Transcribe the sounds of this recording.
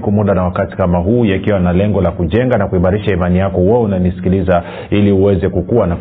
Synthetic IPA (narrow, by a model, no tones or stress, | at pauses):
kumuɗanawakati̥kamaɦuːjakiwanalɛŋɡɔlakuʄɛŋɡanakuimaɾiʃaimanijakɔwɛunanisi̥kiliza | iliuwɛzɛkukuwana